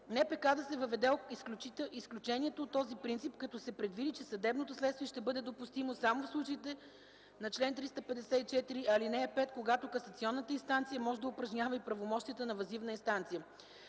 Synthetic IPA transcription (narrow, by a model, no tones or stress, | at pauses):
nɛpɛkad̪ɐsɛvəvɛd̪ɛoisklʲut͡ʃit̪isklʲut͡ʃɛniɛt̪oːt̪ːɔzipɾint̪sipkɐt̪ɔsɛpɾɛd̪vid̪it͡ʃɛsɐd̪ɛbnot̪oslɛt̪st̪viɛʃt̪ɛbɤd̪ɛd̪opust̪imosamofslˠut͡ʃɐit̪ɛ | nɐt͡ʃlɛnt̪ɾist̪əpɛd̪ɛsɛit͡ʃɛt̪iɾiʔɐlinɛɛpɛt̪koɡat̪okɐsət̪siɔnːət̪əinst̪ant̪sijəmɔʒɛd̪əʊpɾɐʒnʲavəipɾɐvomɔʃt̪ijət̪ənɐvɐzivnəinst̪ant̪sijə